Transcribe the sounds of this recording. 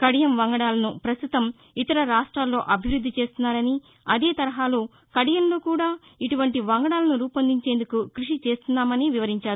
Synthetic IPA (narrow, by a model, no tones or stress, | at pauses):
kɐɽijɐmʋɐŋɡɐɽaːlɐnupɾɐst̪ut̪ɐm | it̪ɐɾɐɾaːʂʈɾaːlːo̞ːʔɐbʱiʋɾud̪ːit͡ʃe̞ːst̪unːaːɾɐni | ɐd̪e̞ːt̪ɐɾɐɦaːloː | kɐɽijɐnlo̞ːkuːɽaː | iʈuʋɐɳʈiʋɐŋɡɐɽaːlɐnuɾuːpɐnd̪iɲt͡ʃe̞ːnd̪ukukɾiʂit͡ʃe̞ːst̪unːaːmɐniʋiʋɐɾiɲt͡ʃaːɾ